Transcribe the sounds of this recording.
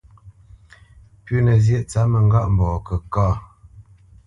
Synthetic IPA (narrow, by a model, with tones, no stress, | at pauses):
pʉ˦nə˨zjɛ˦˨ʔt͡sa˨˦mə˨ŋ̩˦ɡa˦˨ʔm̩˨bɔː˨kə˨ka˦˨